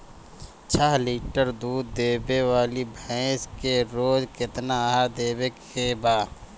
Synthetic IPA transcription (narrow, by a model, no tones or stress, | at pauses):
t͡ʃʰaɦliːʈəɾd̪uːd̪ːeːbewaːlibʱɛ̃ːskeɾoːd͡ʒkɪt̪naɦad̪eːbek | ebaː